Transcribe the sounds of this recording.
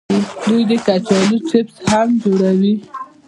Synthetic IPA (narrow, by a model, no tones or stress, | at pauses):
lujd̪əkat͡ʃɑliʈɪpshamd͡ʒoɽawi